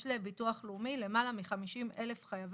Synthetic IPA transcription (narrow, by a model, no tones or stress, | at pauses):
ʃlebituaχluːmile̞malamiχamiʃimele̞fχajav